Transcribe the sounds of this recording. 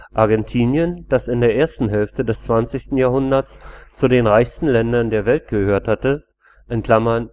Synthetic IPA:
ʔaɐɡɛntʰiːnjənd̥asɪndeːɐʔeːɐstn̩ɦɛlftədɛst͡sv̥ant͡sɪstn̩jaːɦʊndɐt͡st͡sudeːnʁaɪçstn̩lɛndɐndeːɐvɛlt̚ɡ̥əhøːɐthatə | ʔɛnkl̥amɐn

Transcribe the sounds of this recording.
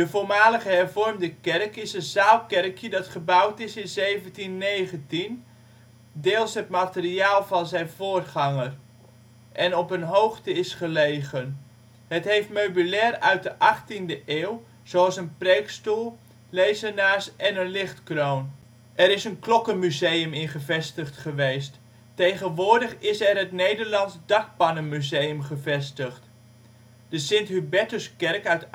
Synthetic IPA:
dəvoːmaːləɣəɦɛrvɔrmdəkɛrkɪsənzaːlˠkɛrkʰjədɑtχəbawtɪsɪnzejvəntinːejɣəntin | dɪːlˠsɦətmatəriaːlˠvɑnzɛjnvoːrχɑŋər | ʔɛnɔpənɦowχtəɪsχəlejɣən | ɦətɦejftmøɥbylɛːrœɥt̚dəʔɑχtindəʔeːw | z̥owɑlˠsənprejkstulˠ | lejzənaːɹsɛnənlɪχtkrown | ʔɛɾɪsənklɔkənmyzejəmɪnχəvɛstəχtχəʋejst | tejχənʋʊːɹdəχɪsɛrɦətnejdəɹlɑnzdɑk̚pɑnəmyzejəmχəvɛstəχt | d̥əsɪntɦybɛtəskɛrkœt

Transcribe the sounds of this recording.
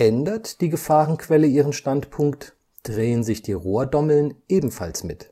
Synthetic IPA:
ʔɛndɐtd̥iːɡəfaːʁənkv̥ɛləiːʁənʃtantpʰʊŋkt | d̥ʁeːənzɪçd̥iːʁoːɐdɔml̩nʔeːbm̩fa̰lsmɪt

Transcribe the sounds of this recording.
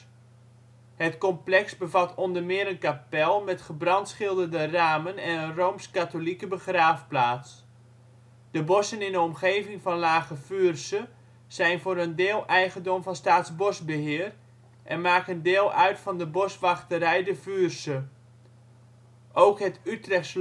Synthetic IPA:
hətkɔmplɛksbəvɑtʰɔndərmɪəɾənkapɛlˠmɛtχəbrɑntsχɪlˠdərdəraːmənɛnənrowmskatolikəbəχraːfplaːts | d̥əbɔsənɪndəɔmχeːvɪŋfɑnlaːɣəfyːrsə | z̥ɛjnvʊːɾəndeːlˠʔɛjɣəndomvɑnstaːtsbɔsbəɦɪːər | ʔɛnmaːkəndeːlˠœɥtfɑndəbɔsʋɑχtəɾɛjdəfyrsə | ʔowkɦətytrɛxs

